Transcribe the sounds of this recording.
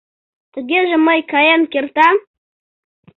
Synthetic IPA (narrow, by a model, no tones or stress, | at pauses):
tʰɡʲɪʒamajkʰajankʲɪrtʰa